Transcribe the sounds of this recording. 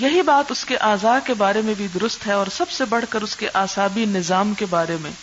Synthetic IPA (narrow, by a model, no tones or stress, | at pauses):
jɐɦibaːt̪ʊskeʔaːzaːkebaːɾemẽbʱid̪ʊɾʊst̪ɦɛɔːɾsɐbsebɐɽ̤kəɾʊskeʔaːsaːbinɪzaːmkebaːɾemḛ̃ː